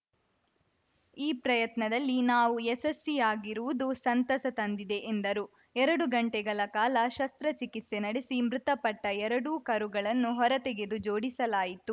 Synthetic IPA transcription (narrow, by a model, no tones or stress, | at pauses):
iːpɾɐjɐt̪nɐd̪ɐlːinaːʋuɛsɐsijaːɡiɾuʋud̪usɐnt̪ɐsɐt̪ɐnd̪id̪eʔːnd̪ɐɾu | ɛɾɐɽuɡɐɳʈɛɡɐɭɐkaːlɐʃɐst̪ɾɐt͡ʃikit̪se̞nɐɽisimɾut̪ɐpɐʈːɐɛɾɐɽukɐɾuɡɐɭɐnːuɦɔɾɐt̪eɡe̞d̪ud͡ʒoːɽisɐlaːjit̪u